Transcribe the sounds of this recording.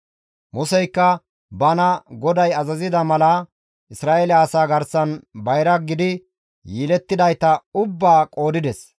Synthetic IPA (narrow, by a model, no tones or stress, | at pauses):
mʊsɛjkːɐ | bɐnɐɡɔd̪ɐjɐzɐzɪd̪ɐmɐlɐ | ʔɪsɾaːʔelɪaːsaːɡɐɾsɐnbɐjɾɐɡɪd̪ɪ | jiːlɛt̪ːɪd̪ɐjt̪ɐʊbːaːkʼo̞ːd̪ɪd̪ɛs